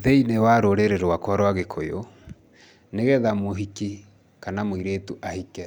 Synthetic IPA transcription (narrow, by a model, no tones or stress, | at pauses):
ðeinewaɾoɾeɾeɾwakwaɾwaɣekʰojo | neɣɛðamoɦiki | kanamoiɾeːtuʔahikɛ